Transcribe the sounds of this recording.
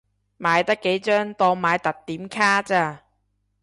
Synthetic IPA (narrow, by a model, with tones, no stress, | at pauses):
maː˨˧jt̪ɐ˥kːe˨˥jt͡ʃœː˥ŋt̪ɔː˧ŋmaː˨˧jt̪ɐ˨t̚t̪ːiː˨˥mkʰaː˥t͡saː˧